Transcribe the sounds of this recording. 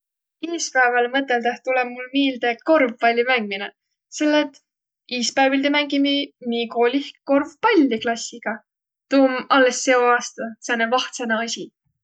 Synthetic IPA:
eːspæːvɑlmɤt̪ːˑe̞ld̪eht̪ulɛb̥̚mulmiːld̪eko̞rvpɑlʲːjumæŋɡ̥̚mine | selːet̪ː | iːspæːvilʲd̪emæŋɡ̥imimiːko̞lʲihkko̞rvpɑlʲːiklɑsʲːiɡ̥ɑ | t̪uːmɑlːesːe̞o̞ɑːst̪ɑsenevɑht̪seneɑsʲi

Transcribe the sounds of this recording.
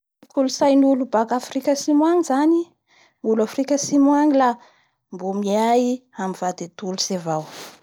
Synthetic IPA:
kulusajnulubakafrikʲəsimwaŋizani | nulafrikʲəsimwaŋila | mbumiajamivad̪et̪ulusevaw

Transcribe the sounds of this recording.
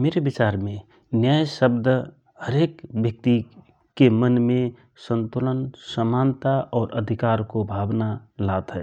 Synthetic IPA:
meːɾebɪt͡ʃaːɾmẽ | njaːjʃəbd̪ʱə | həɾeːkbjək̚t̪i | kemənmẽ | sə̃nt̪ulənsəmaːnt̪aʔɔːɾə̰d̪ʱɪkaːɾkobʱaːbnalat̪ɦɛː

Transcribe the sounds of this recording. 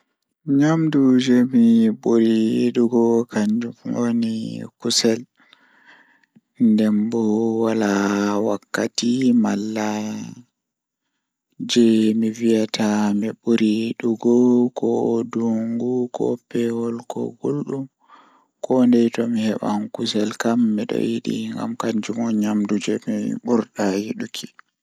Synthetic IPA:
ɲamdud͡ʒɛmiɓuɾiɗuɡɔkaɲd͡ʒumo̰nḭkusɛl | ndɛmbɔwalawakːatimalːa | d͡ʒɛmivijatʰamɛɓuɾiɗuɡɔkʰɔduŋɡukʰɔ̰pɛwɔlkɔ̰ɡulɗum | kʰɔndɛjtɔmihɛɓa̰nkusɛlkamːiɗɔ̰jiɗḭŋɡa̰mkaɲd͡ʒumɔɲamdud͡ʒɛmiɓuɾɗajiɗukʰi̥

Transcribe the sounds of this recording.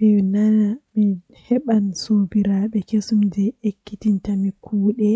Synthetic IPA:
ɛnanami | hɛɓansobiɾaɓɛkesumdɛekːitintamikʰuːɗɛ

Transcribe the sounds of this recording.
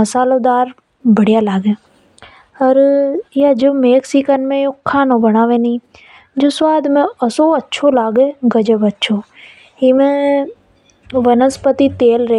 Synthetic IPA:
ɐsaːlod̪aːɾ | bʱɐɽijalaːɡẽ | ɐɾjad͡ʒomeːksikənmẽjokʰːaːnõbɐɽaːʋẽːnĩ | d͡ʒoswaːd̪ʱmẽɐsoɐtːʃʰolaːɡeɡɐd͡ʒəbɐtːʃʰo | ɪmẽ | ʋɐnəspət̪it̪eːlɾɐ

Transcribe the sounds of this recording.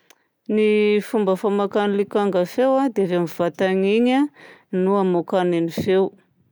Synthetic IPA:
nifumbəfamakanilikaŋɡafewad̪eavamiv̥at̪aɲiɲanuamokanenifew

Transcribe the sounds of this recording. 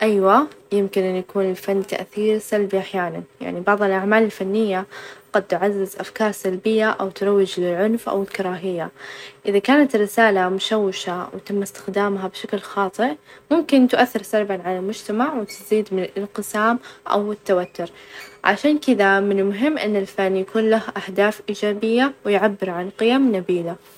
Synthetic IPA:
ʔajwajɪmkɪnʔɪnːjakuːnɪlfanːt̪a̰ʔθiːɾsalbiʔaħjaːnanja̰ʕnibɑʕðˤɨlʔaʕmaːlɪlfanːɪjːaɡ̥ad̪̚t̪ʊʕazːɪzʔafkɑːɾˤsalbɪjːaʔawt̪ʊɾˤɑwːɪd͡ʒlɪlʕʊnfʔa̰wɪlkɑɾˤɑːɦɪjːaʔɪðakaːnat̪rːɪsaːlamʊʃawːɪʃawɪt̪amːast̪ɪ̥xd̪aːmɦabʃaklxɑːt̪ˤɨʔmʊmkɪnt̪ʔaθːɪɾsɑɾˤbanʕalalmʊd͡ʒt̪amaʕwɪt̪ɪziːd̪mɪnɪlɪnqɨsaːmʔa̰wɪt̪ːawat̪ːʊɾʕa̰ʃaːnkɪd̪amɪnɪlmʊɦɪmːʔɪ̰nːɪlfanːjakuːnlahʔahd̪aːfʔiːd͡ʒaːbɪjːawɪjʕabːɪɾʕanqɪjamnabiːla

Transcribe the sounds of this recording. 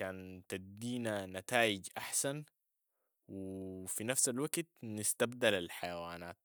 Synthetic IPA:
kaːnt̪ad̪iːnanat̪aːʔid͡ʒʔaħsan | wifinafsalwaɡt̪nɪst̪abd̪alalħajawaːnaːt̪̚

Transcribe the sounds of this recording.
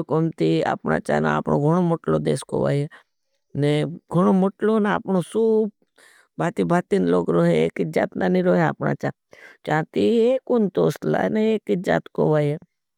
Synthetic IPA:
komt̪ia̰ːpna̰t͡ʃa̰na̰aːpno̰ɡʱoɽ̃omoʈlod̪ḛːsko̰ʋa̰e | neɡʱoɽ̃omoʈlonaa̰pnosuːb̚ | bʱaːt̪ibʱaːt̪inloːɡɾoːɦeḛkɪd͡ʒaːt̪nanĩɾoːɦea̰pna̰t͡ʃa | t͡ʃaːt̪iekʊnt̪oːsla̰neeːkɪd͡ʒa̰ːt̪ko̰ʋaːje

